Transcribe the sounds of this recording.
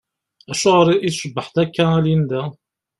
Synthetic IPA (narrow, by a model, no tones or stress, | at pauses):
æʃuʁəɾiʔiθʃəbːəħt̪ækːæælind̪æ